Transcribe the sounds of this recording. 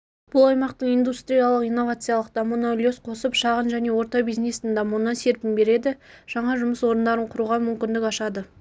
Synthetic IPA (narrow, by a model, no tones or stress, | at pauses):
b̥ʊlˠɑjmɑqt̪əɴijnd̪ust̪ɾijalˠəqijnːo̞vat̪sɨjalˠəqd̪̥ɑmunolʲjosqʰo̞səpʃɑʁənʒæne̞wo̞ɾt̪ɑbijznesɪnd̪ɑmunːɑnse̞ɾpɪmbe̞ɾe̞d̪ɪʒ̥ɑɴɑʒʊməswo̞ɾənd̪ɑɾəɴqʰʊɾuʁɑmʏmkʲɪnd̪ɪkɑʃɑd̪ə